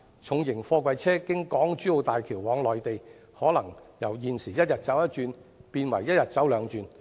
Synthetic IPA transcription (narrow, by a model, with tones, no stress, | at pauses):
t͡sʰʊ˨ŋjɪ˨˩ŋfɔː˧kwɐ˨jt͡sʰɛː˥kɪ˥ŋkɔː˨˥ŋt͡ʃyː˨˥o˨˧wt̪aː˨jkʰiː˨˩wwɔː˨˥ŋlɔː˨jt̪e˨j | hɔː˨˥lɐ˨˩ŋjɐ˨˩wjiː˨˧nsiː˨˩jɐ˥t̚jɐ˨t̚t͡sɐ˨˥wjɐ˥t̚t͡ʃyː˧npiː˧nwɐ̰˨˩jːɐ˥t̚jɐ˨t̚t͡sɐ˨˥wlœː˨˧ŋt͡ʃyː˧n